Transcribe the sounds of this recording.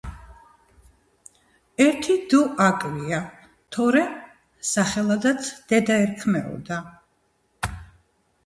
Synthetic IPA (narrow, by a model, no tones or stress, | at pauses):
ɛɾt̪ʰid̪uʔakʼvia | t̪ʰɔɾɛ | saχɛlˠad̪at̪sʰd̪̥ɛd̪aɛɾkʰmɛɔ̰d̪a